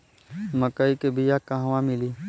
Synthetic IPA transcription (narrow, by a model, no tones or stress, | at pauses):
məkəikebʱijakaɦʋãmɪliː